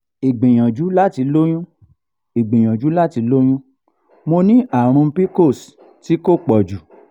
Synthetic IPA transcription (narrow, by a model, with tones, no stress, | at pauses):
i˨ɡ͡bẽ˨j̃ã˨d͡ʒu˨˦la˦ti˧lo˦j̃ũ˦ | i˨ɡ͡bẽ˨j̃ã˨d͡ʒu˨˦la˦ti˧lo˦j̃ũ˦ | mo˧nĩ˦ʔa˨ɾ̃ũ˧m̩˦pi˦ko˦˨s | ti˨˦ko˦˨k͡pɔ˨d͡ʒu˨